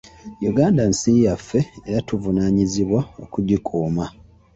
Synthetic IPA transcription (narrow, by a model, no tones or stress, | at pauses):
juɡaːndansiːjafːe̞eɾatuvunaːɲiziβwao̞̰kuɟikʰuːma